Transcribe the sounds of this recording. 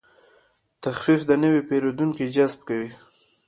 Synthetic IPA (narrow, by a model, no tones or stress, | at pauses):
t̪axfifd̪ənəwepeɾod̪uŋkid͡ʒazb̚kawi